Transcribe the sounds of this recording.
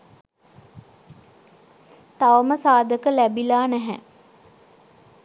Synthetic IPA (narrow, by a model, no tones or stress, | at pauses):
t̪aʋəməsaːd̪əkəlæbilaːnæɦɛ